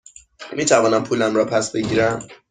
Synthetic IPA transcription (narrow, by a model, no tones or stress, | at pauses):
miːt̪ʰævɒːnæmpʰuːlæmɾɒːpʰæsbe̞ɟiːɾæm